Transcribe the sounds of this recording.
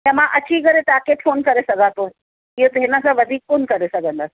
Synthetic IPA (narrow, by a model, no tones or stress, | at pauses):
ɦãmãʔət͡ɕʰiːɡəɾet̪akeʈfʰoːnkəɾesəɡat̪o | ijot̪eɦnãsaʋəd̪ʱiːk̚konkəɾesəɡənd̪as